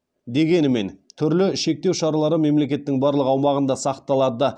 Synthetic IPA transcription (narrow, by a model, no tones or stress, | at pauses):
d̪e̞ɡʲe̞nɪme̞nt̪ʰʏɾlɪʃe̞k̚t̪e̞wʃɑɾɑlˠɑɾəme̞mle̞kʲe̞t̪ːɪŋbɑɾlˠəqɑwmɑʁənd̪ɑsɑqt̪ɑlˠɑd̪d̪ə